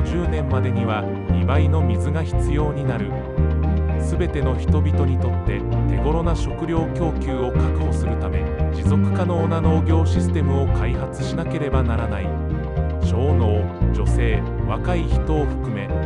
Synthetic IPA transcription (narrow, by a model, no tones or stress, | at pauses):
d͡ʑɨːnẽ̞mːad̪e̞ɲ̟iβ̞a | mʲibaino̞mʲizɨɡaçi̥t͡sɨjo̞ːɲ̟inaɾɯ̟ | sɨbe̞t̪e̞no̞çi̥t̪o̞bʲit̪o̞ɲ̟it̪o̞t̪ːe̞t̪e̞ɡo̞ɾo̞naɕo̞kɯ̟ɾʲo̞ːkʲo̞ːkʲɨːo̞kakɯ̟ho̞sɨɾɯ̟t̪ame̞̰d͡ʑizo̞kɯ̟̥kano̞ːnano̞ːɡʲo̞ːɕisɨ̥t̪e̞mɯ̟o̞kaiɦat͡sɨ̥ɕinake̞ɾe̞banaɾanai | ɕo̞ːno̞ːd͡ʑo̞se̞ː | βakaiçi̥t̪o̞ːɸɯ̟̥kɯ̟me̞